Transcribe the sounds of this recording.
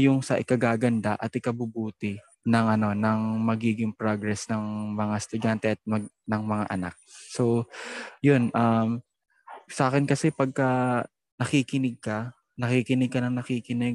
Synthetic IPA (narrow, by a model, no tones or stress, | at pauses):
jʊŋsɐʔɪkɐɡaːɡɐnd̪aʔɐt̪ɪkɐbʊbuːt̪ɪ | nɐŋʔɐno̞nɐŋmɐɡiːɡɪŋpɹoɡɾɛsnɐŋmɐŋast̪ʊd̪ant̪ɛʔɐt̪̚mɐɡnɐŋmɐŋa̰ʔɐna̰k̚so | jonʔɐm | sɐʔaːkɪnkɐsɛpɐɡ̚kɐ | nɐkiːkɪnɪɡ̚kɐ | nɐkikɪnɪɡ̚kɐnɐŋnɐkiːkɪnɪɡ̚